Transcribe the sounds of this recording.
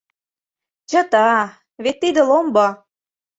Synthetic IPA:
t͡ɕə̆t̪ɑ | βet̪ːid̪ə̆lombɤ

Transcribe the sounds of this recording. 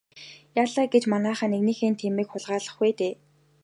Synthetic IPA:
jaːɮaːɡet͡ɕmanaːχaːneɣniːxeːnt̪ʰemiːkχʊɮʁaːɮə̆χɡuːt̪eː

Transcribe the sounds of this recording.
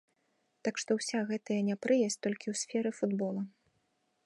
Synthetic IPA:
t̪akʂt̪ɔwsʲaɣɛt̪ɐjɐnʲɛpɾɨjɐsʲt̪ɔlʲkʲiwsʲfʲɛɾɨfud̪bɔlˠɐ

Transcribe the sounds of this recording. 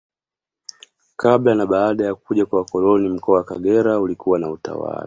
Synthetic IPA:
kablanaɓaːɗajakuʄakwawakɔlɔnim̩kɔawakaɡɛɾaulikuwanauta̰wa̰la

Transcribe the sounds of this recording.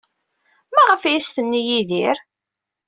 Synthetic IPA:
mæʁəfjst̪ənːijiðiɾ

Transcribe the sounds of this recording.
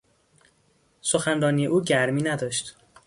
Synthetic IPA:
soxænɾɒːnijeʔuːɟæɾmiːnæd̪ɒːʃt̪

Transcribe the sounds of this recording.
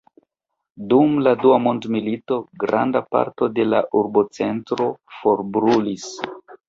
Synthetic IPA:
dumladuamondmilito̞ɡɾa̰ndapa̰ɾto̞de̞la̰ʔuɾbo̞t͡se̞ntɾo̞fo̞ɾbɾulis

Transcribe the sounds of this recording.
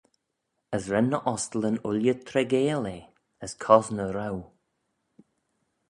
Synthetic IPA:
əsɾɛnːəʔɔstələnʊljət̪ʰɾɛɡeːleː | əskʰɔznəɾaw

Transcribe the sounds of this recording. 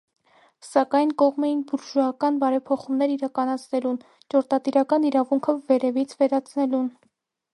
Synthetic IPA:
sɑkɑjnkɔʁmɛjinbuɾʒɔɑkɑnbɑɾɛpʰɔχumnɛɾiɾɑkɑnɑt͡sʰnɛlun | t͡ʃɔɾt̪ɑt̪iɾɑkɑniɾɑvuŋkʰəvɛɾɛvit͡sʰvɛɾɑt͡sʰnɛlun

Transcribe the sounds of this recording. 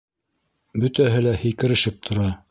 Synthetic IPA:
bɵ̆t̪æɦɘlæhĭjkɘ̆ɾɘ̆ʃɘp̚t̪ʰŏɾɑ

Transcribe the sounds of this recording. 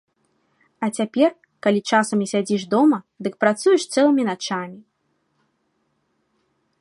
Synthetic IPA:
ɐt͡sʲapʲɛr | kalʲit͡ʂasɐmʲisʲad͡zʲiʂd̪ɔmɐ | d̪ɨk̚pɾat̪sujɛʂst̪sɛlˠɨmʲinat͡ʂamʲi

